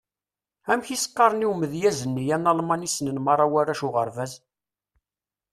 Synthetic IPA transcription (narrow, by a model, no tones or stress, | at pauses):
æmçisə̥qːɑɾˤəniwməðjæzənːijænːɑlˤmɑnisnənmɑrˤːɑwæɾæʃʊʁəɾvæz